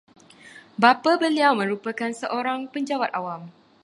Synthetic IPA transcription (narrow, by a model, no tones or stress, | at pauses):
bapabəliawmə̃ɾupəkansəʔoɾaŋpəɲd͡ʒawat̪̚awam